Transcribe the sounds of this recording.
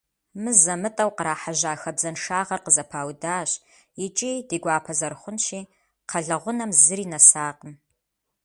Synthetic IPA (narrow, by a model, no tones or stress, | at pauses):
mɨzɐmɨtʼɐwqəɾaːħaʒaːxɐbzɐnʂaːʁɐrqəzɐpʰaːwdaːɕ | jɪt͡ʃʼiːdiːɡʷaːpʰɐzɐrχʷʊnʃiː | qʰɐɮɐʁʷʊnɐmzɨɾiːnɐsaːqəm